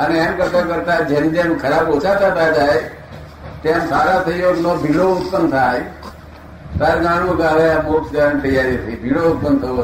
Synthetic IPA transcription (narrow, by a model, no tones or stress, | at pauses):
əneemkəɾt̪ak̬əɾt̪ad͡ʒemd͡ʒẽmkʰəɾaboːt͡ʃʰat̪at̪ad͡ʒaːe | t̪eamsaːɾat̪ʰəijonobʱiɽoʊt̪ːəmt̪ʰaːe | t̪aɾɡãːɽ̃ũɡaʋeaboːʈd͡ʒənt̪əjaːɾit̪ʰibʱiːɽoʊt̪ːəmt̪ʰə